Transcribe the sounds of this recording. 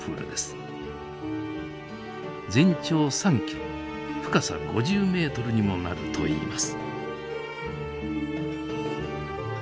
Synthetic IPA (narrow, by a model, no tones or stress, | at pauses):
ɯ̰ːɾɯ̰d̪e̞sɨ̥ | d͡zẽ̞ɲt͡ɕo̞ːsãŋkʲẽ | ɸɯ̥kasa̰ɡo̞̰ʑɨːme̞ːt̪o̞ɾɯ̟ɲ̟imo̞na̰ɾɯ̟t̪ʰo̞ḭːmasɨ̥